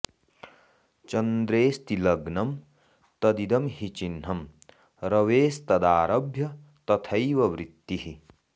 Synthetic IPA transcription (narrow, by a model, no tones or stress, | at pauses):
t͡ʃɐnd̪ɾeːst̪ilɐɡnɐm | t̪ɐd̪id̪ɐmhit͡ʃinɦɐm | ɾɐʋeːst̪ɐd̪aːɾɐbʱjɐ | t̪ɐt̪ʰɐjʋɐʋɾit̪ːiɦi